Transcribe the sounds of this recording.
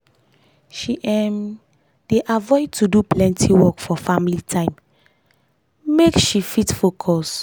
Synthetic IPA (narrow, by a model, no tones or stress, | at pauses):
ʃiʔɛ̃m | d̥eʔavɔɪd̚tuduplɛ̃ntʰiwɔkfɔfamilitʰãɪ̃m | mekʃifitfokʰɔs